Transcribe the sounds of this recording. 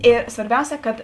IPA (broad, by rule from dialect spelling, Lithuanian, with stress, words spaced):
ˈeː sʋɐrʲˈbʲɛʊsʲɛ ˈkɐt